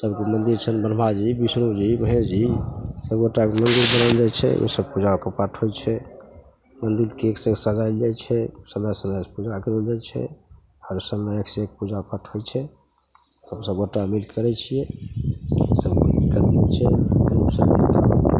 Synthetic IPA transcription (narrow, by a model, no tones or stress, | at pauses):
səbkemənd̪iɾt͡ʃʰənbənbʱad͡ʒibisnud͡ʒibəɦẽd͡ʒisəbɡoʈːakemənd̪iɾbənəld͡ʒat͡ʃʰɛ̰ʔo̰səbpud͡ʒaokəpaʈʰɦojt͡ʃʰɛ | mənd̪iɾkeeksə̃səd͡ʒajld͡ʒat͡ʃʰɛsəmɛsənəd͡ʒpud͡ʒakəɾold͡ʒajt͡ʃʰɛ̰ | həɾsəmeeksek̚pud͡ʒapəʈʰɦojt͡ʃʰɛ | t̪əbsəbɡoʈːamilkəɾɛt͡ʃʰijɛ | esəbmə̰nd̪iɾkət̪lɛt͡ʃʰɛə̰ɾusəbbət̪a̰